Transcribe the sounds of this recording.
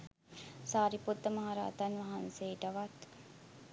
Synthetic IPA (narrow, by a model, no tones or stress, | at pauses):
saːɾiput̪ːəmɐɦaɾa̰ːt̪anʋɐɦanseːʈəʋat̪